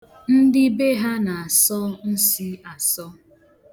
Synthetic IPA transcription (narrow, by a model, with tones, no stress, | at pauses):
n̩˦dɪ˦be˦ɦa˦na˨a˨sɔ˦n̩˦si˦a˨sɔ˦